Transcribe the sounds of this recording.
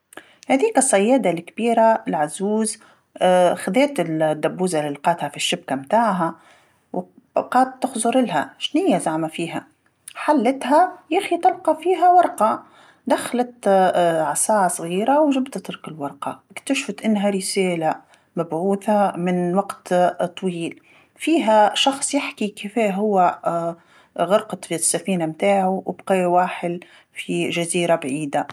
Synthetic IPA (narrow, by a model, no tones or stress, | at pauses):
hæd̪iːkasˤːɑjːaːd̪alkbiːɾalʕazuːz | xad̪eːt̪ɪld̪ːabːuːzalɪlqɑːt̪hafiʃːɪb̚kamt̪aːʕɦa | w | qɑːd̪̚t̪ːɪxzˤʊɾɪlɦa̰ʃnɪjːazaʕmafiːɦa | ħalːɪt̪ɦajaxit̪ɪlqɑfiːɦawɑɾˤqɑ | d̪axlat̪ʕasaːʕɑsˤɣiːɾawʒɪbt̪at̪ɪɾkɪlwɑɾˤqɑɪkt̪aʃfat̪ʔɪnːɦaɾɪseːla | mabʕuːθamɪnwaɡt̪t̪ˤːwiːl | fiːɦæʃɑxsˤjɪħkikɪfɛːɦʊwːæ | ɣɑɾqɑt̪ˤisːafiːnamt̪aːʕuwʔɪbqeːwaːħɪl | fiʒaziːɾabʕiːd̪a